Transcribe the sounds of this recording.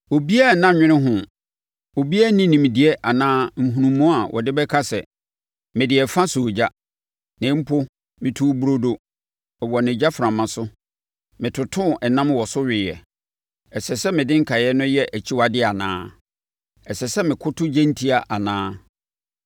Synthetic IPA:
o˨bi˦a˦˨nã˦ɲᶣɪ̃˦nɪ̃˦ɦʊ̃˨ | o˨bi˦a˦nĩ˦nĩ˨m˨di˨ɛ˦ʔa˨nãː˦m̩˨ɦũ˨ũ˨mːɔ̃˦a˨wʔɔ̰˨dɪ˦bɛ˦kʰa˦sɛ˨ | mɪ̃˨dɪ˨ɛ˨fã˦sʊ˨d͡ʑa˦ | nɪ̃˨˦m̩˦pʰʊ˦ | mɪ̃˨tʰu˦bu˦ɾo˦do˦ | ɛ˨wɔ˨nɪ̃˨d͡ʑa˦fɾã˨mã˨sʊ˦ | mɪ̃˨tʰʊ˨tʰʊ̃˦˨ɛ˨nã˦mwɔ˨sʊ˦ɥɪ˨jɛ̰˨ | sɛ˨sɛ˦mɪ̃˨dɪ̃˦ŋ̩˦kʰa˨jɛ˦nʊ̃˦jɛ˦ʔæ˨t͡ɕʰi˦wa˨dɪ˦a˨nã̰ː˦ | ɛ˨sɛ˨sɛ˦mɪ̃˨kʰʊ˦tʰʊ˦d͡ʑɛ̃˦n̩˦tʰi˦a˨ʔa˨nãː˦

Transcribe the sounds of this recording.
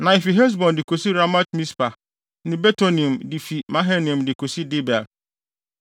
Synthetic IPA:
nã˨ɪ˨fi˨ɦɛ˦s̬bɔ̃˨ndɪ˨kʰo˨si˦ɾa˦ma˦tmĩ˦spʰa˨ | nɪ̃˨bɛ˦tʰo˦nĩ˨mdi˨fi˨mã˦ɦɛ˦nĩ˨mdɪ˨kʰo˨si˦dɪ˦bɛ˨l

